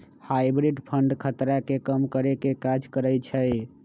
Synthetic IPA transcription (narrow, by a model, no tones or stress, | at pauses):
hajbɾiɖpʰəɳɖkʰət̪ɾakekəmkəɾekekad͡ʒkəɾəjt͡ʃʰəj